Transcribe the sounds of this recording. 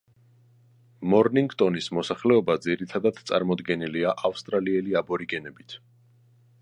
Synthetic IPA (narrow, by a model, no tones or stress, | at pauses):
mɔɾniŋɡt̪ʼɔnismɔsaχlɛɔbad̪ziɾit̪ʰad̪ad̪̥t̪sʼa̰ɾmɔd̪ɡɛniliaʔafst̪ʼɾaliɛliabɔɾiɡɛnɛbit̪ʰ